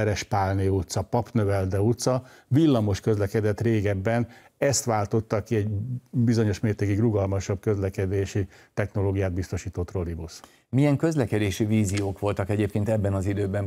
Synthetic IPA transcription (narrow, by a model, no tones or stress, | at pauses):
ɛɾɛʃpaːlneut̪sɒpɒpnøvɛld̪ɛut̪sɒvilːɒmo̞ʃkø̞zlɛkɛd̪ɛt̪reːɡɛbːɛn | ɛst̪ʋaːlt̪o̞t̪ːɒkiɛɟbizo̞ɲo̞ʃmeːrt̪eːkiɡruɡɒlmɒʃɒb̚kø̞zlɛkɛd̪eːʃit̪ɛxno̞loːɡijaːd̪̚bist̪o̞ʃiːt̪ot̪ro̞libus | mijɛŋkø̞zlɛkɛd̪eːʃiviːzijoːkʋo̞lt̪ɒkɛɟeːp̚keːnt̪ɛbːɛnɒzid̪øːbɛm